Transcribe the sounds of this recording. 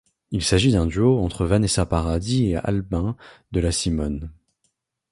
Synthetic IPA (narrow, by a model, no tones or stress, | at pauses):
ilsaʒid̪ɛ̃d̪yoɑ̃t̪χəvanɛsapaʁad̪iea̰lbɛ̃d̪əlasimɔn